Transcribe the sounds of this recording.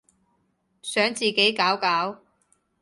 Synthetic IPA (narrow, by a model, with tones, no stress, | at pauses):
sœː˨˥ŋt͡siː˨ke˨˥jkaː˨˥wkaː˨˥w